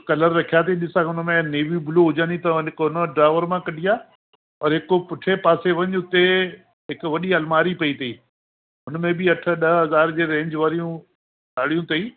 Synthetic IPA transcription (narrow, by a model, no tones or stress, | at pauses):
kɐləɾːɐkʰijat̪ʰiɗɪsãʊnmẽneːʋibʊloɦʊd͡ʑãːnit̪ɐɪkɦʊnəɖɾaːɪʋəɾmãkɐɗʱijaː | ɐɾɦɪkopʊʈʰepaːseʋɐ̃ɲʊt̪e | ɦɪkʋɐɗiɐlmaːɾipɐit̪ʰɐiː | ɦʊnmẽbɪɐʈʰə̆ɗɐɦɐzaːɾd͡ʑeːɾẽːɲd͡ʑʋaːɾijũ | ɗaːɽ̤ijũt̪ʰɐiː